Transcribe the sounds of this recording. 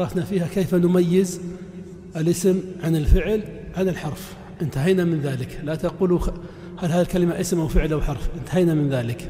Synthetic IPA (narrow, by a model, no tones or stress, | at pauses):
ɑɾˤɑfnafiːhakeːfanʊmajːɪz | ʔɪlʔɪsɪmʕanɪlfɪʕlʕanɪlħɑɾˤf | ʔɪnt̪aɦajnamɪnðaːlɪklat̪aquːlu | halhaːðilkalɪmaʔɪsmʔawfɪʕlʔawħɑɾˤfʔɪnt̪aɦajnamɪnðaːlɪk